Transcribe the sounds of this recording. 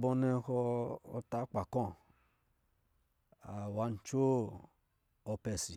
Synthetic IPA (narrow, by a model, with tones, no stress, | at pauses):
bɔ˧nɛ˦˧xɔː˧ta˨˦k͡pa˨kɔ̃˦˨ | a˨wa˨˦n˦t͡ʃo˦ | ɔ˧pɛ˧si˨